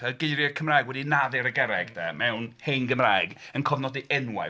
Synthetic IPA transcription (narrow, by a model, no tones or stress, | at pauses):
əɡeɨɾjɛkʰəmraːjɡwɛdinaðɪɾəɡɛɾɛɡd̥ɛ̰mɛwnhenɡəmraːɨɡənkʰɔvnɔdiʔɛnwa̰